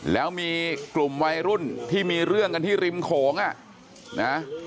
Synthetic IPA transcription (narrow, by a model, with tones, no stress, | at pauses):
lɛː˦˥wmiː˧klu˨˩mwa˧jɾu˥˩nt̪ʰiː˥˩miː˧ɾɯ˥˩əŋka˧nt̪ʰiː˥˩ɾi˧mkʰɔː˩˦ŋʔa˨˩ | na˦˥